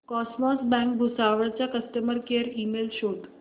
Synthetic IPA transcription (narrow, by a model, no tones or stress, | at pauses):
kɔsmɔsbɛ̃kbʱusaʋəɭt͡ɕjakəst̪əməɾkeɾimelɕod̪